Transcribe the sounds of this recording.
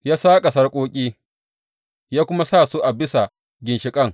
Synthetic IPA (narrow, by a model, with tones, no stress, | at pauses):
jaː˦saː˦kʼɐ˨sɐ˦rkʷʼoː˦kʲʼiː˦ | jaː˦kʷʊ˦ma˦sa˦˨su˦ʔa˨bɪ˦sa˨ | ɡʲɪ˨nʃɪ˨kʼɐ˦˨ŋ